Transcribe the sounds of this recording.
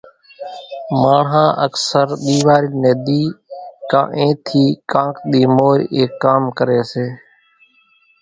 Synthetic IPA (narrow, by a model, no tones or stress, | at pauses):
maːɳɦãːʔəksəɾɗ̪iːʋaːɾiːneːd̪iːkã̰ːʔẽːt̪ʰiːkãːkɗ̪iːmoːɾeːkːaːmkəɾeːseː